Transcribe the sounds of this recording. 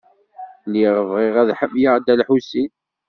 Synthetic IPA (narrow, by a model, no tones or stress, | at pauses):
liʁəvʁɪʁæðħəmːjaʁd̪ælħusin